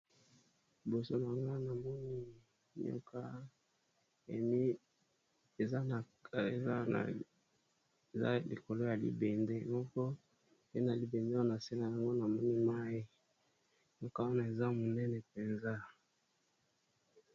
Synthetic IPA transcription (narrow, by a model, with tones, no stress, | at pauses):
i˨bo˨so˦na˨ŋɡa˦na˨mɔ˦ni˦ | ɲ˦ɔ̰˦ka˦ | ḛ˨mi˦ | e˨za˦˨ | e˨a˦a̰˨ | za̰˦lḭ˨ko˨lo˦ja˨lḭ˦be˨nde˦˨mɔ˦kɔ˦ | e˦na˨li˨be˨nda˦na˨sɛ˦la˨ja˨ŋɡo˦na˨mɔ˦ni˦ma˦ji˦ | ɲo˦ka˦wa˦na˨e˨za˦mo˨nɛ˦nɛ˨pe˨nza˦